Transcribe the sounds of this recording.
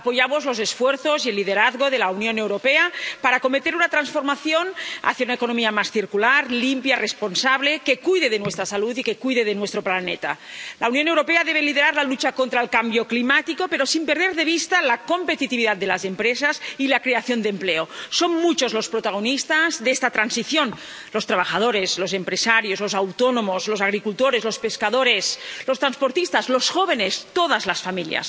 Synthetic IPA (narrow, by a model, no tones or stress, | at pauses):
apo̞ʝamozlo̞ze̞sfweɾθo̞zie̞lːið̞eɾaðɣoðe̞launjo̞newɾo̞peapaɾako̞met̪e̞ɾunat̪ɾansfo̞ɾmaθjo̞na̰θjaunaekonomiamasθiɾkulaɾlimpjarespo̞nsaβle̞ke̞kujðeð̞enwest̪ɾasalut̪ike̞kujðeð̞enwest̪ɾo̞planḛt̪a̰ | launjonewɾo̞peaðe̞β̞e̞liðeɾaɾlalut͡ʃakont̪ɾaelkambjoklimat̪iko̞pe̞ɾo̞simpeɾð̞eɾðe̞β̞ist̪alako̞mpe̞t̪it̪iβiðat̪̚d̪elazempɾesasilakɾeaθjo̞nd̪empleosonmut͡ʃo̞zlo̞spɾot̪aɣ̞onist̪azðest̪at̪ɾansiθjo̞n | lo̞st̪ɾaβaxað̞oɾezlosempɾesaɾjozlo̞sawt̪onomozlosaɣ̞ɾikult̪oɾezlo̞speskaðoɾeslost̪ɾanspoɾt̪ist̪azlosxoβ̞enest̪oð̞azlasfamilja̰s